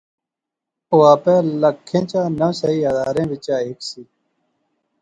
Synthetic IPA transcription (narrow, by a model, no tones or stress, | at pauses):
oaːpeːlɐkʰːẽːt͡ɕaːnɐsɐiːɐd̪aːɾẽːʋit͡ɕaːɦiksi